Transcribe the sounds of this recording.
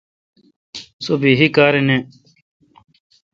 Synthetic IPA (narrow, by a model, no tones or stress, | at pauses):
sobiːɦikaːɾene